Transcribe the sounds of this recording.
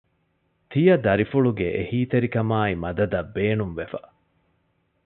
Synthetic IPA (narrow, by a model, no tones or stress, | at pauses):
t̪ijɐd̪ɐɾifuɭuɡeʔehiːt̪eɾikɐmaːimɐd̪ɐd̪ɐbːeːnumʋefɐ